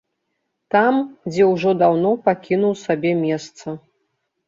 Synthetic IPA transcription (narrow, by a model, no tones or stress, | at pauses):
t̪amd͡zʲɛwʐɔd̪awnɔpakʲinuwsabʲɛmʲɛst̪sɐ